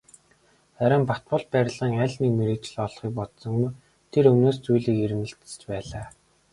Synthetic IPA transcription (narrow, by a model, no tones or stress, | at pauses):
æɾʲɪ̆mpat̪̚pʊ̆ɮ̚pæːɾʲɪ̆ɮə̆ŋæɮnikmeɾeːkt͡ɕɪ̆ɮɔɮχiːk̚pɔt̪sɞ̆ŋmu | t̪ʰeɾɵmnoːs̬t͡sujɮiːkeɾɘ̆mɘ̆ɬt̪ɘ̥̆t͡ɕpæːɮaː